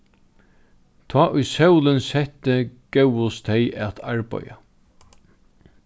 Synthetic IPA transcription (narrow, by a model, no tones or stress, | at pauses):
t̪ʰɑːʔʊjsœwlɪnsɛht̪ːɪkɛwʊst̪ʰejʔɛt̪ʰa̰ɹpɔ̰ja̰